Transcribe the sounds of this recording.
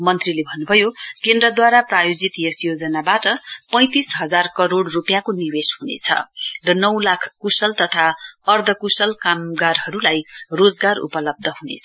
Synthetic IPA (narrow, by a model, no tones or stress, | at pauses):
mʌnt̪rilebʱʌnːubʱʌjokend̪rʌd̪waɾaprajod͡zit̪jesjod͡zʌnabaʈʌpʌ̃j̃t̪isɦʌd͡zarkʌɾoɽrupjakoniweshunḛt͡sʰʌ̰rʌnʌwlakʰkusʌlt̪ʌt̪ʰaʌrd̪ʱʌkusʌlkamɡarɦʌɾulajrod͡zɡarṵpʌlʌb̚d̪ʱʌɦunḛt͡sʰʌ